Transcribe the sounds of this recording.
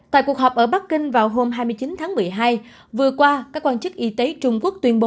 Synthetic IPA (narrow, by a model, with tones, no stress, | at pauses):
t̪a̰ː˧˨jku˨˩əkɦɔ˨˩p̚ʔəː˧˩ɓa˦˥k̚kï˧ŋ̟vaː˨˩wɦo˧mɦaː˧jmɨ˧əjt͡ɕi˨˦nt̪ʰaː˨˦ŋmɨ˨˩əjɦaː˧j | vɨ˨˩əkwaː˧kaː˦˥kːwaː˧nt͡ɕɨ˦˥k̚ʔi˨˦t̪e˨˦t͡ɕʊ˧ŋ͡mku˦˥ək̚t̪wi˧ənɓo˨˦